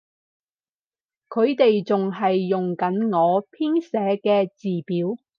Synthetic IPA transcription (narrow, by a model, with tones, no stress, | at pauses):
kʰɵ˨˧ɥt̪e˨jt͡sʊ˨ŋɦɐ˨jːʊ˨ŋkɐ˨˥nŋɔː˨˧pʰiː˥nsɛː˨˥kɛː˧t͡siː˨piː˨˥w